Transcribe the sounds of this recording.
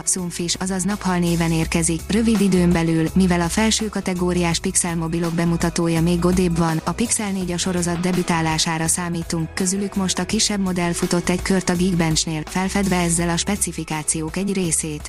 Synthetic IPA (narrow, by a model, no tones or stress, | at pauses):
suɱfiʃɒzɒznɒphɒlneːvɛneːrkɛzikrø̞vid̪id̪øːmbɛlylmivɛlɒfɛlʃøːkɒt̪ɛɡoːɾijaːʃpiksɛlmo̞bilo̞ɡ̚bɛmut̪ɒt̪oːjɒmeːɡɡːo̞d̪eːbʋɒnɒpiksɛlneːɟɒʃo̞ɾo̞zɒd̪̚d̪ɛbyt̪aːlaːʃaːɾɒsaːmiːt̪uŋkːø̞zylykmo̞ʃt̪ɒkiʃːɛbmo̞d̪ɛlfut̪o̞t̪ːɛɟkørt̪ɒɡiɡbɛnt͡ʃneːlfɛlfɛd̪ʋɛɛzːɛlɒʃpɛt̪sifikaːt̪sijoːkɛɟreːseːt̪